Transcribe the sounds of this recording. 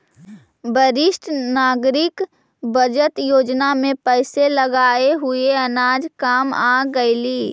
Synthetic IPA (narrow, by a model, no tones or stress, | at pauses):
bəɾɪʃʈʰnaːɡɾɪk | bəd͡ʒət̪joːd͡ʒnamẽpɛɪseləɡaːeɦʊeənaːd͡ʒkaːmaːɡəɪliː